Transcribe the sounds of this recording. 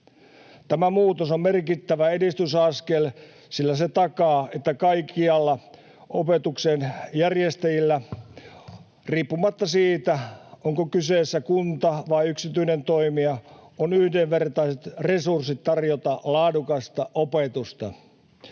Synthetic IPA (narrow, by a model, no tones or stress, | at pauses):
t̪æmæmuːt̪osommerkit̪ːæʋæedist̪ysɑskel | silːæset̪ɑkɑːet̪ːækɑikːiɑlːɑ | ʔopet̪uksenjærjest̪æjilːæ | riːpːumɑt̪ːɑsiːt̪æoŋkokyseːsːækunt̪ɑʋɑiyksit̪yinent̪o̞imiɑonyhdeʋʋert̪ɑiset̪re̞sursit̪tːɑrjot̪ɑlɑːdukɑst̪ɑʔopet̪ust̪ɑ